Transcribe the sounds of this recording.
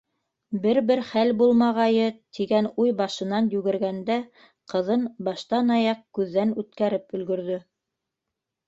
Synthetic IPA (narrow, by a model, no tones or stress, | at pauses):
bɘɾbɘɾχælbulˠmɑʁɑjɤt̪ʰiɡænujbɑʃɤ̆nɑnjʉɡɘ̆ɾɡænd̪æ | qɤ̆ðɤnbɑʃt̪ɑnɑjɑq̚kʉðːænʉt̪kæɾɘpɵ̆lɡɵ̆ɾðɵ